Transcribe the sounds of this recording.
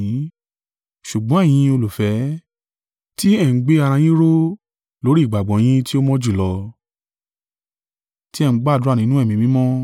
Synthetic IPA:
ĩ˨˦ | ʃu˨ɡ͡bɔ̃˨˦ɛ˦˨j̃ĩ˧o˧lu˨fɛ˨˦ | ti˦ɛ˦˨n̩˨˦ɡ͡be˦a˧ɾ̃ã˧j̃ĩ˦ɾo˦ | lo˨˦ɾi˦˨ɡ͡ba˨ɡ͡bɔ̃˨j̃ĩ˦ti˦o˦mɔ̃˦d͡ʒu˦˨lɔ˧ | ti˦ɛ˦˨n̩˦ɡ͡ba˦˨du˦a˦˨nĩ˦nũ˦ɛ˦˨mĩ˨˧mĩ˨˦mɔ̃˦

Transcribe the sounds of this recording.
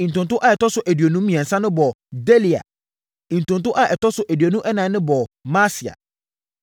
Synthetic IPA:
ĩ˨n̩˨tʊ̃˨nt̬ʊ˦ʔa˨ɛ˨tɔ˦sʊ˨ʔæ˨dɥo˨nũ˦mĩ˨ɛ̃˨n̩˨sã˦nʊ̃˦bɔ˨de˦li˨a̰˨ | ĩ˨n̩˨tʊ̃˨n˨t̬ʊ̃˦ʔa˦˨ʔɛ˨tɔ˦sʊ˨˦ʔæ˨dɥo˨nũ˦ʔɛ˦nãː˨˦ʊ̃˦bɔ˨ma˦si˨a̰˨

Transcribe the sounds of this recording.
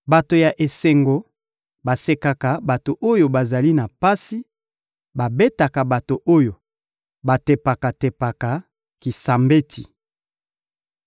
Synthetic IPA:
ba˨to˨ja˨ʔe˨se˨ŋɡo˨ | ba˨se˨ka˨ka˨ba˨to˨ʔo˦jo˨ba˨za˨li˦na˨pa˦si˦ | ba˨be˦ta˨ka˨ba˨to˨ʔo˦jo˨ | ba˨te˨pa˨ka˨te˨pa˨ka˨ | ki˨sa˨mbe˦tʰḭ˨

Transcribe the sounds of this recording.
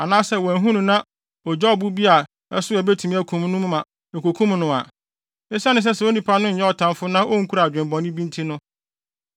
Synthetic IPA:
a˨nãː˦sɛ˦˨wæ˨ɦũ˦nʊ̃˨nã˦ | ɔ˨d͡ʑɛ˦ɔ˨bu˦bi˦a˨ | ɛ̰˦sʊ˦ɛ˨be˦tʰũ˨mĩ˦æ˦kʰũ˨m˦nʊ̃˦m̃˦mã˨ | e˨ko˨kʰũ˦mnʊ̃˨a˨ | ɛ˦sa˦nʊ̃˨s̬ɛ˦sɛ˨o˦nĩ˨pʰa˦nʊ̃˦ɲ̩˨ɛ˦ɔ˨tʰã˨mfʊ˦nã˦ʔo˦ŋ̩˦kʰu˦ɾa˨d͡ʑᶣɪ̃˨mbɔ̃˨nĩ˦bĩ˦ntʰi˦nʊ̃˦

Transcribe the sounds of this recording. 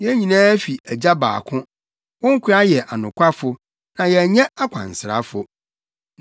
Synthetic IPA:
jɛ˦ɲĩ˨nãː˦fi˨æ˨d͡ʑa˦ba̰ː˨kʰʊ̃˦ | wɔ̃˦ŋ̩˦kʷʰʊ˦a˦jɛ˨ʔa˨nʊ̃˨kʷʰa˦fʊ˨˦ | nã˨jɛ˨ɲɛ̃˦a˦kʰʷã̰˨n̩˨sɪ˨ɾa̰˦fʊ˨

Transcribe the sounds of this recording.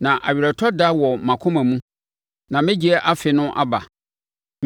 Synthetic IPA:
nã˨ʔa̰˨ɥi˨ɾæ˨tʰɔ˦da˦wɔ˨mã˨kʰʊ̃˦mã˨mũ˦ | nã˨mɪ̃˦d͡ʑi˨ɛ˦ʔa˦fɪ˨nʊ̃˦ʔa̰˦ba̰˨

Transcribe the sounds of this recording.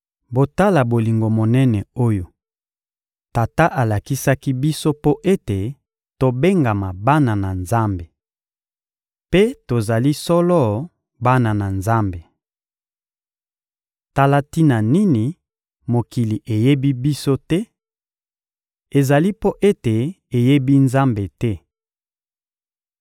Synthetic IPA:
bo˨ta˦la˨bo˨li˨ŋɡo˨mo˨nɛ˦nɛ˨o˦jo˨ | ta˨ta˦ʔa˨la˨ki˦sa˦ki˦bi˦so˦po˦ʔe˦te˨ | to˨be˦ŋɡa˨ma˨ba˦na˨na˨nza˦mbe˨ | pe˦to˨za˨li˦sɔ˦lɔ˦˨ | ba˦na˨na˨nza˦mbe˨ | ta˦la˦ti˦na˨ni˦ni˨ | mo˨ki˨li˨ʔe˨je˦bi˦bi˦so˦tɛ˦ | e˨za˨li˦po˦ʔe˦te˨ | e˨je˦bi˦nza˦mbe˨tɛ˦

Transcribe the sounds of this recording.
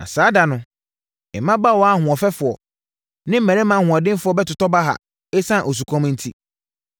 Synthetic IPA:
na̰˨saː˨˦da˨nʊ̃˨ | ɛ˨mːã˦ba˦˨wɔ˦a˦hʊ̃˨ɔ˨fɛ˦fʊ˨ɔ˨ | nɪ̃˦m̩˦mɛ̃˨ɾɪ̃˦mã˨hʊ̃˨a˨dɪ̃˦m˦fʊ˦ɔ˦bɛ˦tʊ˨tɔ˦ba˦ɦa̰˨ | e˦sã˦˨ʔo˨s̬u˨kʰɔ̃˦m̃˦n̩˦tʰi˦

